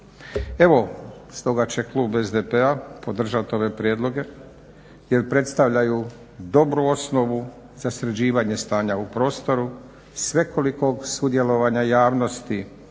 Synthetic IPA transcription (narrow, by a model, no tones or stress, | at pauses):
e̞ʋo̞st̪o̞ɡat͡ɕe̞klˠuːbe̞zd̪epeapo̞d̪r̩ʒat̪o̞ʋe̞pɾjeːd̪lˠo̞ɡe̞ | je̞ɾpɾe̞t̪st̪aʋʎaju | d̪o̞bɾuo̞sno̞ʋu | z̥asɾed͡ʑiːʋaɲe̞st̪aːɲaupɾo̞ːst̪o̞ɾu | sʋe̞kʰoliko̞ɡsud̪je̞lo̞ʋaɲajaːʋno̞st̪i